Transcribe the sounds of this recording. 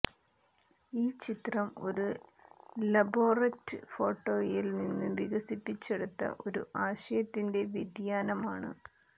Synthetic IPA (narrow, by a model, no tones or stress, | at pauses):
iːt͡ɕit̪rɐmo̞̰ɾu | lɐbo̞ːrɐtːɨfo̞ːʈːo̞ːjilninːuʋiɣɐsipːit͡ɕːeɽut̪ːɐ̰ʔo̞ɾṵʔaːɕɐjɐt̪ːinde̞ʋjed̪jaːnɐmaːɳɨ̰